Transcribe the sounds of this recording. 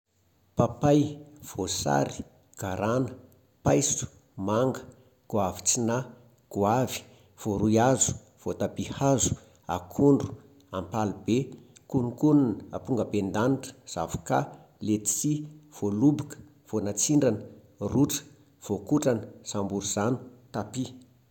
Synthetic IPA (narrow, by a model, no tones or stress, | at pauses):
papajv̥osa̰ɾi̥ | ɡ̥aɾanə̥ | pajsu̥ | maŋɡə | ɡ̥uavi̥t͡sina | ɡ̥uavi̥ | v̥oɾujazu̥ | v̥ot̪abihazu̥ | a̰kʰuɳɖ͡ʐu̥ | ampalubekunukununəa̰puŋɡəbend̪aniʈ͡ʂə̥z̥a̰vu̥ka | let̪t͡siv̥olubukə̥ | v̥onat͡siɳɖ͡ʐanə | ruʈ͡ʂə̥ | v̥okuʈ͡ʂanəz̥ambuɾuz̥anu̥t̪api